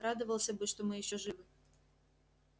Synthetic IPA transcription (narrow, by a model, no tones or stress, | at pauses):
ɾad̪ɨvəlˠsʲəbɨʂt̪omɨjɪɕːoʐɨvɨ